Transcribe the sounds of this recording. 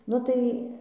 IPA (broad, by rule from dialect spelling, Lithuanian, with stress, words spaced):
ˈnʊ tɐɪ